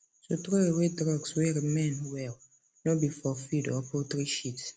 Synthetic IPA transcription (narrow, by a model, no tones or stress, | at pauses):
sot̪ɹoewedɹɔɡswɛɹimɛ̃nwɛl | nɔbifɔfidɔpʰɔtɹiʃits